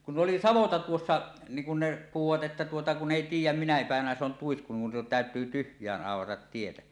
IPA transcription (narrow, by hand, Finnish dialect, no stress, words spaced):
kun ʔoli sɑʋotɑ tuosːɑ niːŋ kun ne puhuʋɑt ʔetːæ tuotɑ kunˑ eˑi tiːjˑæm minæ pæˑeʋænæ se on tuisku nin tæˑøtyː tyhjˑæːnʔ ʔɑˑorɑtɑt tietæ